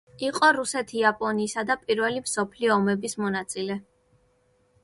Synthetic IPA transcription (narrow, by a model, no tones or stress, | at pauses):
iqʼɔɾusɛt̪ʰiapʼɔniːsad̪apʼiɾvɛlimsɔpʰliɔːmɛbismɔnat̪sʼilɛ